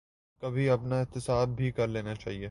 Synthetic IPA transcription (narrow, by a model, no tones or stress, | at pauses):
kɐbʱiɐpnaɪt̪ɪsaːd̪̚bʱikɐɾleːnat͡ʃa̰ːɦieː